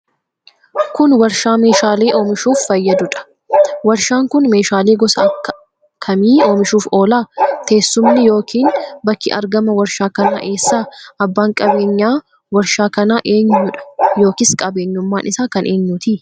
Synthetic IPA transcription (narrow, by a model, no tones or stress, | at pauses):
kʊnwɐɾʃaːme̞ːʃaːleːʔo̞ːmɪʃuːfːɐjːɐd̪ʊᶑɐ̥ | wɐɾʃaːŋkʊnme̞ːʃaːleːɡɔsɐɐkːɐ̥ | kʰɐmiːo̞ːmɪʃuːfo̞ːlaːt̪e̞ːsːʊmnɪjo̞ːkʰiːnbɐkːɪ̰ʔɐɾɡɐmɐwɐɾʃaːkɐnaːʔe̞ːsːaːʔɐbːaːŋkʼɐbe̞ːɲːaː | wɐɾʃaːkɐnaːʔe̞ːɲːʊᶑɐ̥jo̞ːkɪskʼɐbe̞ːɲːʊmːaːnʔɪsaːkɐnʔe̞ːɲːʊt̪i